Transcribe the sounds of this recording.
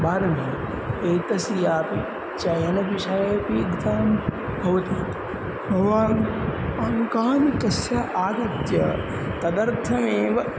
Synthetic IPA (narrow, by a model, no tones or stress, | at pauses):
baːɾɐmeː | eːt̪ɐsijaːpi | t͡ʃɐjɐnɐʋiʃɐjɐpiɡd̪aːmbʱɐʋɐt̪iːt̪ | bʱɐʋaːɾɐnkaːnikɐsjaːʔaːɡɐt̪jɐ̰ | t̪ɐd̪ɐɾt̪ʰɐmẽːʋɐ